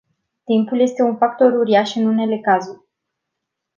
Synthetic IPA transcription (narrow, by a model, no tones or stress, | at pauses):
t̪impulje̞st̪e̞unfak̚t̪o̞ɾuɾiaʃɨnune̞le̞kazurʲ